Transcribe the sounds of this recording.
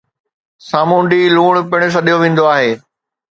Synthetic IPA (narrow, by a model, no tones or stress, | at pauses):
saːmũːɳɖiluːɽ̃pɪɽ̃ɪs̬ɐɗijoʋẽːn̆d̪oaːɦeː